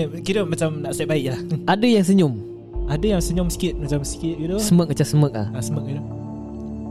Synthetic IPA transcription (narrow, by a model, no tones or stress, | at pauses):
kiɾəmat͡ʃamnaʔsɛt̚baɪʔlahʔadəjaŋs̬əɲʊm | ʔadəjaŋsəɲʊmsi̥kɪt̪̚mat͡ʃamsi̥kɪt̪̚ɡit̪usəmək̚ət͡ʃasəmək̚lahasəmək̚itu